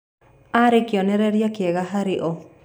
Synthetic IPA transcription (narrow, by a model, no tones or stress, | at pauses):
aɾekjɔnɛɾɛɾjakɪeɣaɦaɾɪʔo